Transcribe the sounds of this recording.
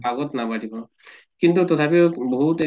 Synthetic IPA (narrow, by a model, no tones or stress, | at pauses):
aɡɔtnabadibɔ | kintutɔt̪ʰapiʊbɔɦutɛ